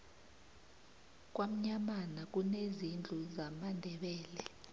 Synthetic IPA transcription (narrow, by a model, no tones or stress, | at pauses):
k̬ʼwam̩ɲamanak̬ʼunezind͡ɮʱuzamandʱɛɓɛːlɛ